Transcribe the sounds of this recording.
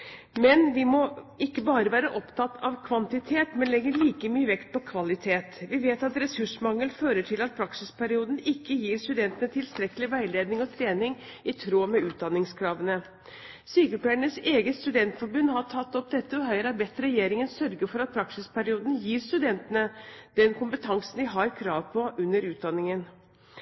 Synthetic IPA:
mɛnʋɪmɔɪkːəbɑːɾəʋæːɾəʔɔpt̪ʰɑt̪ːɑʋkʰʋɑnt̪ɪt̪ʰeːt̪mɛnlɛɡəɭiːkəmyːəʋɛkt̪̚pʰɔkʰʋɑlɪt̪ʰeːt̪ʋɪʋeːt̪ɑt̪ɾɛsʉʂmɑŋːəlføːɾəʈʰɪlɑt̪̚pʰɾɑksɪspʰæɾɪuːd̪n̩ɪkːəjiːɾst̪ʉd̪ɛnt̪ənət̪ʰɪlst̪ɾɛkəlɪʋæɪleːd̪nɪŋɔt̪ʰɾeːnɪŋ | ɪt̪ʰɾoːmɛʉːt̪̚d̪ɑnːɪŋskʰɾɑːʋənə | syːkəlpʰæəɳəseːɡəst̪ʉd̪ɛnt̪fɔɾbʉnːhɑʈʰɑt̪ːɔp̚d̪ɛt̪ːəɔɦœʏɾɑbɛt̪ːɾɛjeːɾɪŋənsœɾɡəɾfɔɾɑt̪̚pʰɾɑksɪspʰæɾɪuːd̪n̩jiːɾst̪ʉd̪ɛnt̪ənəd̪̥ɛnkʰʊmpət̪ʰɑŋsn̩d̪ʋɪɦɑɾkʰɾɑːʋpʰɔʔʉnːəɾʉːt̪̚d̪ɑnːɪŋən

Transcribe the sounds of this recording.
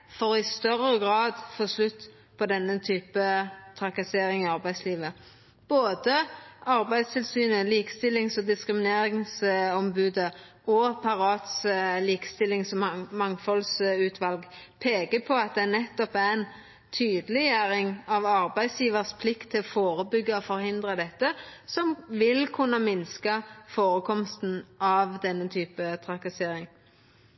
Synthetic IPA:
fɔɾɔɪst̪œɾəɡʁɑːd̪foːslʉt̪ː | pʰɔd̪ɛnːət̪ʰyːpət̪ʰʁɑkɑseːɾɪŋɪɑʁbæɪsliːʋə | b̥oːd̪əɑʁbæɪd̪st̪ʰɪlsyːnəliːkə̥st̪ɪlːɪŋsɔd̪ɪskɾɪmɪneːɾɪŋsɔmbʉːd̪ə | ɔpʰɑɾɑːt̪sliːkə̥st̪ɪlːɪŋsɔmɑŋfɔlsʉːt̪ʰʋɑlɡpʰeːkəpʰɔɑt̪̚d̪ɛnɛt̪ːɔpæɪn | t̪ʰyːd̪əlɪjæɾɪŋɑʋɑɾbæɪsjiːʋəɾspʰlɪkt̪ʰːɪlɔfoːɾəbʏɡːəɔfɔɾhɪnd̪ʁəd̪ɛt̪ːəsɔmʋɪlkʰʉnːəmɪnskəfoːɾəkʰɔmst̪n̩ɑʋd̪ɛnːət̪ʰyːpət̪ʰɾɑkɑseːɾɪŋ

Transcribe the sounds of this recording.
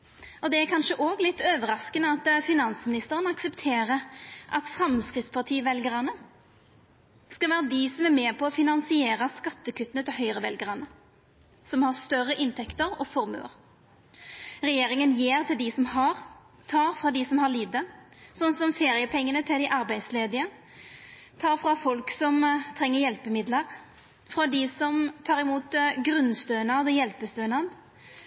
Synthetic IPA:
ɔd̪ɛæɾkʰɑnʃəʔoːɡlɪt̪ːøːʋəɾɑskənəɑt̪fɪnɑnsmɪnɪst̪əʁənɑksɛpt̪ʰeːʁəʔɑ̰t̪fɾɑmskʁɪtspʰɑʁt̪ʰiːəʋɛlɡəʁɑnə | skɑlʋæːɾəd̪ɪsɔmæɾmeːpʰɔːfɪnɑnsɪeːɾɑskɑt̪ːəkʰʉt̪ːənət̪ʰɪlhœʏʁəʋɛlɡəʁɑnə | sɔmhɑst̪œrːəʔɪnt̪ʰɛkt̪əɾɔ̰fɔʁmø̰ːɾ | ʁɛjeːɾɪŋənjeːʁt̪ʰɪld̪ɪsɔmhɑɾ | t̪ʰɑːʁfʁɑːd̪ɪsɔmhɑliːd̪əsɔnːsɔmfeːɾɪəpʰɛŋːənət̪ʰɪld̪ɪʔɑʁbæɪd̪sleːd̪ɪə | t̪ʰɑːʁfʁɑfɔlksɔmt̪ʰʁɛŋːəɾjɛlpəmɪd̪ləʁ | fʁɑd̪ɪsɔmt̪ʰɑːʁɪmuːt̪ɡɾʉnst̪øːnɑd̪ɔjɛlpəst̪øːnɑd̪

